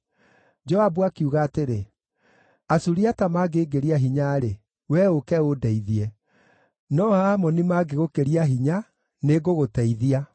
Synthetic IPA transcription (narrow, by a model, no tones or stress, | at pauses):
d͡ʒɔabuakiuɣaːteɾe | asuɾiatamaːɡeːɡeɾiaɦiɲaːɾe | wɛokɛodɛiðiɛ | nɔhamɔnimaɡeɣokeɾiaɦiɲa | neɡoɣotɛiðia